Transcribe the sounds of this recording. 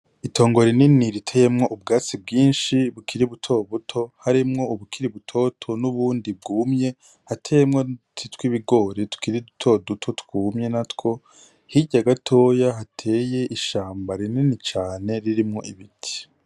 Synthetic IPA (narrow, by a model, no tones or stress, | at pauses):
itʰo̞ːŋɡo̞ɾininiɾitʰe̞ːje̞mŋo̞ʔub̚ɡaːt͡sibɡiːnʃiβukʰiɾiβutʰo̞βutʰo̞haɾimŋo̞uβukʰiɾiβutʰo̞tʰo̞nuβuːndib̚ɡuːmɲe̞ | hatʰejemŋo̞tʰitwiβiɡo̞ːɾetu̥kiɾidutʰo̞dutʰo̞tkuːmɲe̞natko̞ | hiɟaɡatʰo̞ːjaɦatʰe̞ːje̞ʔiʃaːmbaɾininit͡ʃaːne̞ɾiɾimŋo̞ʔiβitʰi̥